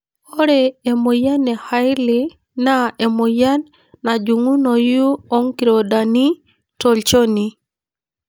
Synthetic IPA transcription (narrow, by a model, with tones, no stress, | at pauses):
o˦ɾee˨mo˨ja˦nɛ˨ha˦ɪ˦li˦ | na˦e˨mo˨ja˦nː | a˨d͡ʒu˨ŋu˦no˨ju˦o˦ŋki˨ɾo˨da˨ni˦ | to˨lt͡ʃo˦ni˨